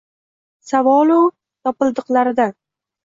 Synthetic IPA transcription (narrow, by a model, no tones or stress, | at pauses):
savɒlˠow | t̪ɒpɨlˠd̪ɨqlaɾɪd̪a